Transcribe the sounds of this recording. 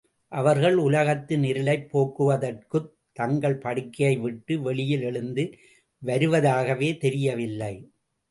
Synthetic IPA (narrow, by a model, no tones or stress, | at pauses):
ʔɐʋɐɾɣɐɭʊlɐɣɐt̪ːɪnɪɾɯlɐɪpːoːkɯʋɐðɐrkɯ | t̪ːɐŋɡɐɭpɐɽɪkːɐjɐɪʋɪʈːɯʋɛɭɪjɪlɛɭɯnd̪ɯ | ʋɐɾɯʋɐðaːɣɐʋeːt̪ɛɾɪjɐʋɪlːɐɪ